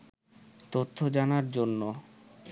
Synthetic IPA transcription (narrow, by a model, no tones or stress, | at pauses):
t̪ot̪ʰːod͡ʑanaɾd͡ʑonːo